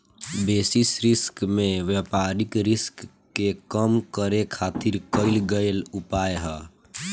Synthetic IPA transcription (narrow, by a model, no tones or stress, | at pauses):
beːsisɾɪskmẽʋəpaːɾɪkɾɪskː | ekəmkəɾekʰaːt̪iɾkəɪlɡəjlʊpaeɦə